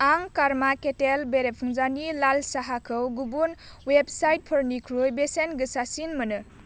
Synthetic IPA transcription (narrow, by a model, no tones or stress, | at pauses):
aŋkaɾmaketelbeɾepʰɯŋzanilalsaɦakʰɯwɡubunweb̚sajt̚pʰɯɾnikʰɾujbesenɡɯsasinmɯnɯ